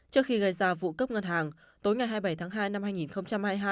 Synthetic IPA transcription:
t͡ɕɨ˦˥ək̚xi˧ɣə˧˩jzaː˧vṵ˧˨kə˦˥p̚ŋə˧nɦaː˨˩ŋ | t̪o˨˦jŋa˨˩jɦaː˧jɓə˧˩jt̪ʰaː˨˦ŋɦaː˧jna˧mhaː˧jŋi˨˩nxə˧wŋ͡mt͡ɕa˧mhaː˧jɦaː˧j

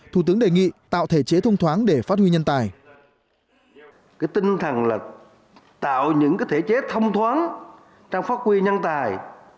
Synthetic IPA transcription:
t̪ʰu˧˩t̪ɨ˨˦əŋɗe˨˩ŋḭ˧˨t̪a̰ː˧˨wt̪ʰe˧˩t͡ɕe˨˦t̪ʰə˧wŋ͡mt̪ʰwaː˨˦nɗe˧˩faː˦˥t̚hwi˧ɲə˧nt̪aː˨˩j | kaː˨˦jt̪i˧ŋt̪ʰə˨˩ŋlaː˨˩ | t̪a̰ː˧˨wɲɨ̰˧˥ŋkaː˨˦jt̪ʰe˧˩t͡ɕe˨˦t̪ʰə˧wŋ͡mt̪ʰwaː˨˦n | t͡ɕaː˧ŋ͡mfaː˦˥t̚kwi˧ɲə˧nt̪aː˨˩j

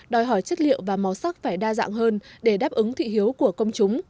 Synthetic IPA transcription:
ɗɔ˨˩jɦɔ˧˩jt͡ɕə˦˥t̚lḭ˧˨əwvaː˨˩mɔ˨˦wsa˦˥k̚faː˧˩jɗaː˧za̰ː˧˨ŋɦəː˧nɗe˧˩ɗaː˦˥p̚ʔɨ˨˦ŋt̪ʰḭ˧˨ɦi˨˦əwku˧˩əkə˧wŋ͡mt͡ɕʊ˨˦ŋ͡m

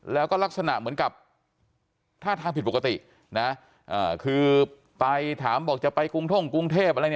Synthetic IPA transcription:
lɛː˦˥wkɔː˥˩la˦˥k̚sa˧na˨ʔmɯ˩˦nka˨˩p̚ | t̪ʰaː˥˩t̪ʰa˧ŋpʰi˨˩t̚po˨˩ka˧t̪i˨˩ʔ | na˦˥ | ʔaː˨˩kʰɯː˧ | pa˧jt̪ʰaː˩˦mbɔː˨˩k̚t͡ɕa˨˩pa˧jku˧ŋt̪ʰo˥˩ŋku˧ŋt̪ʰeː˥˩p̚ʔa˧ɾn˦˥

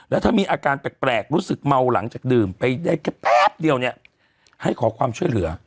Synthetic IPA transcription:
lɛː˧˦˥t̪ʰaː˥˩miː˧ʔaː˧kaː˧np̪ɛː˨˩t̚pɾɛː˨˩k̚ɾuː˦˥sɯ˨˩k̚ma˧wla˩˦ŋt͡ɕaː˨˩k̚dɯː˨˩mpa˧jdaː˥˩jkɛ˦˥pɛː˥˩p̚di˧əwni˦˥˩ɐ | ha˥˩jkʰɔː˩˦kʰwaː˧mt͡ɕʰu˥˩əjlɯ˩˦ɐ

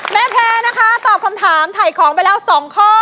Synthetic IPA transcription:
mɛː˧˥˩pʰlɛː˧na˦˥kʰa˦˥t̪ɔː˨˩p̚kʰa˧mt̪ʰaː˩˦mt̪ʰa˨˩jkʰɔː˩˦ŋpa˧jlɛː˦˥wsɔː˨˩˦ŋkʰɔː˥˩

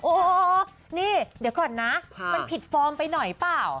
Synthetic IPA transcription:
ʔoː˧˩ | niː˥˩di˨˦wkɔː˨˩nːa˦˥mma˧npʰi˨˩t̪̚fɔː˧mpa˧jnɔ˨˩jplaː˨˩w

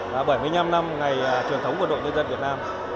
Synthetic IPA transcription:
aː˨˩ɓə˧˩jmɨ˧əjɲa˧mna˧mŋa˨˩jːt͡ɕəŋt̪ə˨˦wŋ͡mkwɗo̰˧˨ɲə˧nzə˧nvi˨˩t̚naː˧m

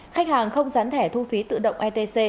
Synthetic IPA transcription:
xa˦˥jk̟̚haː˨˩ŋxə˧wŋ͡mzaː˨˦nt̪ʰɛ˧˩t̪ʰu˧fi˨˦t̪ɨ̰˧˨ɗə̰˧˨wŋ͡mʔɛ˧t̪e˧se˧

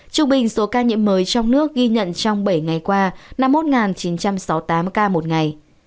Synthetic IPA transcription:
t͡ɕɨ˧˩ŋ͡mɓï˨˩ŋ̟so˨˦kaː˧ɲḭ˧˥əmːəː˨˦jt͡ɕɔ˧wŋ͡mnɨ˦˥ək̚ɣi˧ɲə̰˧˨nt͡ɕɔ˧wŋ͡mɓə˧˩jŋa˨˩jkwaː˧na˧mːo˦˥t̚ŋaː˨˩nt͡ɕi˨˦nt͡ɕa˧msɔ˨˦wt̪aː˨˦mkaː˧mo˨˩t̚ŋa˨˩j

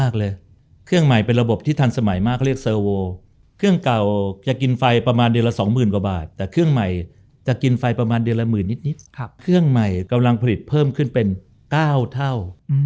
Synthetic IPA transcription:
aː˥˩k̚lɤː˧j | kʰɯ˥˩əŋma˨˩jpe˧nɾa˧bo˨˩p̚t̪ʰiː˥˩t̪ʰaː˧nsa˧ma˩˦jmaː˥˩kʰːɾi˥˩ək̚sɤː˧woː˧ | kʰɯ˥˩əŋka˨˩wt͡ɕa˨˩ki˧nfa˧jpɾa˧maː˧ndɯ˧əlaː˧sɔː˩˦ŋmɯː˨˩nkwa˨˩ba̰ː˨˩t̪ːɛː˨˩kʰɯ˥˩əŋma˨˩j | t͡ɕa˨˩ki˧nfa˧jpɾa˧maː˧ndɯ˧əla˧mɯː˨˩nːi˦˥t̪̚ni˦˥t̪̚kʰkʰɯ˥˩əŋma˨˩jka˧mla˧ŋpʰa˧li˨˩t̪̚pʰɤː˥˩mkʰɯ˥˩npe˧n | kaː˥˩wt̪ʰa˥˩w

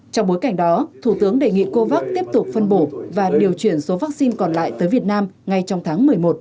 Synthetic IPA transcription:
t͡ɕɔ˧wŋ͡mɓo˨˦jka˧˩jŋ̟ɗɔ˨˦t̪ʰu˧˩t̪ɨ˨˦əŋɗe˨˩ŋḭ˧˨ko˧vaː˦˥k̚t̪i˦˥əp̚t̪ʊ˨˩k͡p̚fə˧nɓo˧˩vaː˨˩ɗi˨˩əwt͡ɕwi˧˩ənso˨˦vaː˦˥k̚si˧nkɔ˨˩nla̰ː˧˨jt̪əː˨˦jvət̚naː˧mŋa˧jt͡ɕɔ˧wŋ͡mt̪ʰaː˨˦ŋmɨ˨˩əjmo˨˩t̚

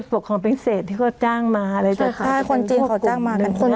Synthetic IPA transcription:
fu˨˩kʰːɔː˨˩˦ŋpbiː˧˥˦seː˨˩t̪̚ʰːiː˥˩kʰɔː˥˩t͡ɕaː˥˩ŋmaː˧ʔa˧ɾa˧˩jt̪a˥˩˧a˥˩kʰo˧nt͡ɕi˧ŋʰ˧a˨˩wt͡ɕaː˥˩ŋmaː˧a˧˩nkʰo˧˨n

